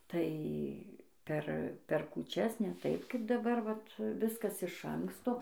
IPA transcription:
ˈtɐɪ ˈpʲɛr pʲɛr kuːˈt͡ʃʲɛs nʲɛ ˈtɐɪp ˈkɐɪp dɐˈbɐr ˈʋɐt ˈʋʲɪskɐs ɪʃ ˈɐŋkstoː

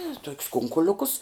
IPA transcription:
eː toːkʲs ˈkʊŋkʊlʲʊkʊs

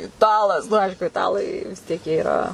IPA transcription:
ɪˈtɑːlˠɐs nʊ ˈɐɪʃkʊ ɪˈtɑːlˠɐɪ ʋʲɪs ˈtʲiɛk jiɛ ɪˈrɐ

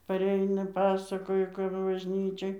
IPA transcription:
pɐˈrʲɛɪnɐ ˈpɑːsɐkoːjɛ kɐp bɐʒʲˈnʲiːt͡ʃʲoːj

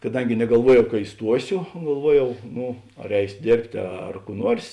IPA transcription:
kɐˈdɐŋʲɡʲɪ nʲɛɡɐlˠˈʋuɔjɛʊ kɐ ɪˈstuɔsʲoː ɡɐlˠˈʋuɔjɛʊ ˈnʊ ɐr ˈɛɪsʲoː ˈdʲeːrʲpʲtʲeː ˈɐr kuː ˈnuɔrs

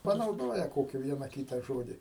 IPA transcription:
pɐnɐʊˈdoːjɛ ˈkoːkʲɪ ˈʋʲiɛnɐ ˈkʲiːtɐ ˈʒoːdʲɪ

